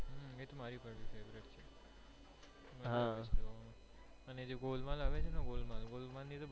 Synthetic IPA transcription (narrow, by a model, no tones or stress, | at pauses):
ɦet̪omaɾipəɾʋifeʋɾeʈt͡ʃʰe | məɦãʃe | əned͡ʒeɡolmãlaʋet͡ʃʰenaɡolmãlɡolmãnit̪ob